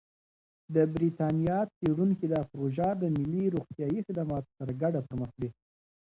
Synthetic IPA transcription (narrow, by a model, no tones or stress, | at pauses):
d̪əbɾit̪ɑnijɑt͡seɽuŋkid̪əpɾoʒɑd̪əmɪlːiɾuɣt̪jɑjixɪd̪amɑt̪ot̪əɾɡaɖapəɾməxwi